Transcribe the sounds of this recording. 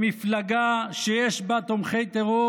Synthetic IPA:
miflaɡaʃejeʃbat̪omχejt̪eʁo

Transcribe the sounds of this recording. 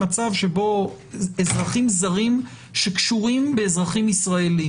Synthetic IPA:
at͡savʃebo̞ | ezʁaχimzaʁim | ʃekʃuʁimbeːzʁaχimisʁaeli

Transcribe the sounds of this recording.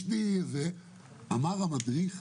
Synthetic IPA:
tize | amaʁamad̪ʁiχ

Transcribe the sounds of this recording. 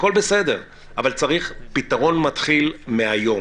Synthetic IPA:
ko̞lbesede̞ʁ | ʔavalt͡saʁiχpit̪aʁo̞nmat̪χilmeajo̞

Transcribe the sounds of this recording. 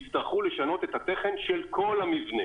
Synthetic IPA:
t͡st̪aʁχule̞ʃano̞t̪e̞t̪hat̪eχe̞nʃelkʰo̞lamivne

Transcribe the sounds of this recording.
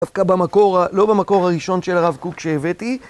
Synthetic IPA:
afkabamako̞ʁalo̞bamako̞ʁaʁiʃo̞nʃelaʁavkukʃeːveti

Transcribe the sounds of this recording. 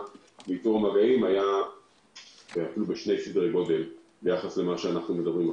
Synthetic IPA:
biːtuʁamaɡaimaja | veafilubeʃne̞jsid̪ʁeɡo̞d̪em | bejaχasle̞maʃeanaχnume̞d̪abʁima

